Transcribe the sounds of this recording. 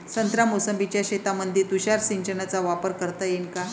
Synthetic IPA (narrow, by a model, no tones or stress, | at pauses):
sənt̪ɾamosəmbit͡ɕjaɕet̪amənd̪ʱit̪uɕaɾsiɲt͡ɕənat͡saʋapəɾkəɾt̪ajenka